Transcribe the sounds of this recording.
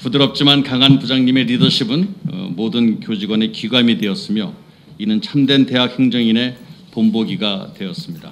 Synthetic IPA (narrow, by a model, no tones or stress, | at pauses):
pudɯɾʌp̚t͡ɕ͈imankaŋanpud͡ʑaŋɲime̞ɾidʌɕʰibɯnʌ̰modɯnkjod͡ʑiɡwane̞kiɡwamide̞ʌs͈ɯmjo | inɯnt͡ɕʰamdwe̞nte̞ɦak̚he̞ŋd͡ʑʌŋine̞ | pomboɡiɡadwe̞ʌs͈ɯmɲida̰